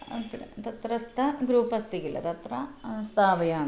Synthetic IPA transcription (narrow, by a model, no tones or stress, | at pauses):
t̪ɐt̪ɾɐst̪ɐɡɾuːpɐst̪ikilɐ̰t̪ɐt̪ɾɐst̪ʰaːʋɐjaːn